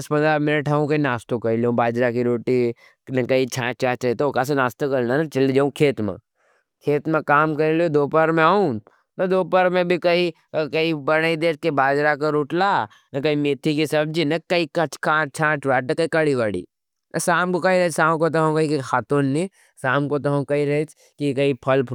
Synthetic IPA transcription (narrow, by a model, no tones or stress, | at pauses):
ɐspɐ̃nd̪ɾamɪnəʈʰɦɐũkɐinaːst̪okɐɾiliõbaːd͡ʒɾakiɾoːʈi | nɐkɐit͡ʃʰãːt͡ʃaːt͡ʃɐit̪ookas̬enaːst̪okɐɾnanɐt͡ʃɐlid͡ʒaːũkʰeːt̪mḛ̃ | kʰeːt̪mẽkaːmkɐɾelõd̪oːpəɾmẽaːũ | nɐd̪oːpəɾmẽbʱikɐi | kɐibɐɽaid̪eːt͡ʃkebaːd͡ʒɾakɐɾʊʈla | nɐkɐimeːt̪ʰːikisɐb̚d͡ʒinɐkɐikɐt͡ʃkãːt͡ʃʰãːt͡ʃʋaːʈ̬kɐikɐɽiʋaɽḭː | ɐ̰saːmkokɐiɾɐt͡ʃsaːmkot̪̬ɐɦõkɐikxaːt̪oːnːi | saːmkot̪ɐɦõkɐiɾɐt͡ʃ | kikɐipʰɐlpʰ